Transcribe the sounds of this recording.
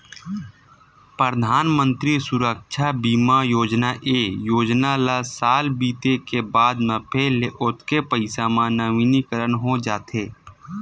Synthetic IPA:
pɾəd̪ʱaːnmə̃nt̪ɾisʊɾəkʃʰabiːmajoːd͡ʒnaʔeːjoːd͡ʒnalasaːlbiːt̪ekebaːd̪mə̃pʰeːleʔʊt̪ʰkepəɪsamãnəʋinikəɾənɦod͡ʒaːt̪eː

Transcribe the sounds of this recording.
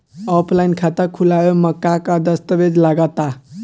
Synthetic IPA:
ɔpʰlajnkʰat̪əkʰulajoməkːakad̪əst̪əbed͡zlaɡət̪a

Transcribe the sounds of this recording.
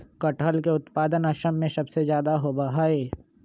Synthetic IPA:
kəʈəlkeʊt̪paːd̪ənɐʃəmːẽsɐbsezjaːd̪aɦobɐɦaːeː

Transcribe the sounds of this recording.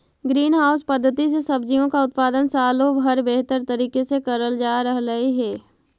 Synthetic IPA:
ɡɾiːnɦaːʊspɐd̪ʱːət̪isesɐbd͡ʒijõkaʊt̪̚paːd̪ənsaːlobɦəɾbeɦt̪əɾt̪əɾiːkesekɐɾəld͡ʒaːɾəɦləiɦɛː

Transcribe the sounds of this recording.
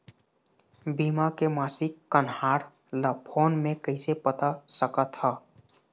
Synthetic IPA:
biːmakemaːsikːənhaːɾ | ləpʰoːnmẽkəɪsepət̪asəkət̪hə

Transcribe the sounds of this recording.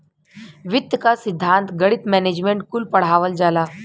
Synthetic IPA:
ʋɪt̪jkasɪd̪ʱːãnt̪ɡɐɽit̪mɛned͡ʒmẽɳʈkulpɐɽ̤aːʋəld͡ʒaːlaː

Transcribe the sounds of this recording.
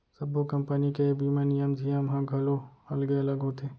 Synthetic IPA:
sɐbokɐmpənikebiːmanijəmzijəmɦɐ̃ɡʱɐloɐlɡeɐləɡɦot̪ʰeː

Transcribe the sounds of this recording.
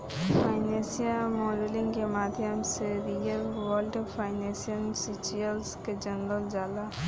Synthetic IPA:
fʰaːɪnẽsijamɔːɖelɪ̃ŋɡkemaːd̪ʱjəmseɾijəlwəlʈpʰaɪnẽsiənsit͡ʃiəlsked͡ʒənd̪əld͡ʒaːd̪a

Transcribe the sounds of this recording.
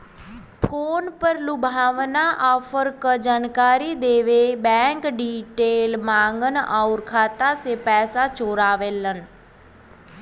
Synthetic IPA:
pʰoːnpəɾlʊbʱaːʋnaːʔaːpʰəɾkəd͡ʒaːnkaːɾiːd̪eːʋebɛ̃ːŋkɖiːʈeːlmãːŋɡənaːʊɾkʰaːt̪aːseːpɛːsaːt͡ʃoːɾaːʋeːlən

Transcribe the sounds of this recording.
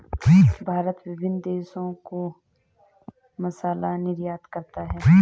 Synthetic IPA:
d͡ʒibʱaːɾət̪ʋɪbɪnd̪eːʃõko | mɐsaːlanɪɾjaːt̪kɐɾt̪aɦɛː

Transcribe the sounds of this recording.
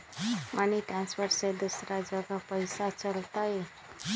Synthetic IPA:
manit̪ɾãnspəɾsed̪usɾad͡zəɡapəjsat͡səlt̪aje

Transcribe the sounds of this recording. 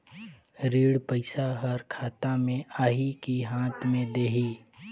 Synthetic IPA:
ɾiːɽpəɪsaɦəɾkʰaːt̪amẽʔaːɦikiɦãːt̪ʰmẽd̪eːɦiː

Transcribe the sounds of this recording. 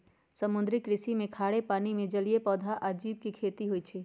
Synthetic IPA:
sɐmʊ̃nd̪ɾɪkɾɪsimẽkʰaːɽepaːnimẽd͡ʒɐliepɔːd̪ʱaʔad͡ʒiːb̚kikʰeːt̪iɦoit͡ʃʰeː

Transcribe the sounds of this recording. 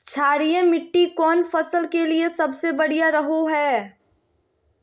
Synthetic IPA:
t͡ʃʰaːɽiẽmɪʈːikɔːnfɐsəlkeliesɐbsebɐɽijaɾɐɦoɦɛː

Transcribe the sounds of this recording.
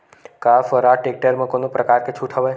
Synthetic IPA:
kafəɾaʈek̚ʈəɾmə̃konõpɾəkaɾket͡ʃʰuʈʰəʋaj

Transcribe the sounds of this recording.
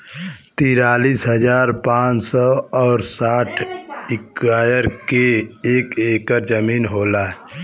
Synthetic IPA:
t̪iːɾaːliːsɦəd͡ʒaːɾpãːt͡ʃsɔɔːɾsaːʈʰɪkaːjəɾkeeːkeːkəɾd͡ʒəmiːnɦoːlaːɛ

